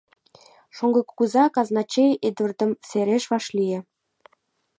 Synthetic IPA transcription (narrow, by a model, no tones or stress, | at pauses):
ʃoŋɡɤ̆kːuzɑkɑznɑt͡ɕejed̪ə̆rd̪ə̆mseɾeʃβɑʃlijĕ